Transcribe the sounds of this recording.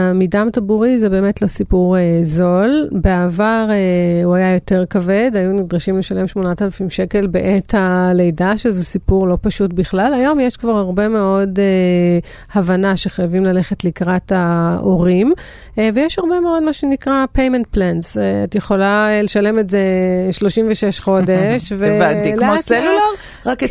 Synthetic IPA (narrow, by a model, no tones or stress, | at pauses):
midamt̪abuʁizebe̞ːmetlo̞sipuʁezo̞lbeavaʁeuajajo̞te̞ʁkave̞dajunid̪ʁaʃimleʃale̞mʃmo̞natalafimʃe̞ke̞lbeʔethalejdaʃezesipuʁlo̞paʃutbiχlalajo̞mjeʃkvaʁhaʁbe̞me̞o̞de | havanaʃeχajavimlale̞χetlikʁataʔoʁim | vejɛʃhaʁbeme̞o̞dmaʃenikʁapejment̚plansatjeχo̞laleʃale̞metzeʃlo̞ʃimveʃeʃχo̞deʃveiloaselulaʁ | ak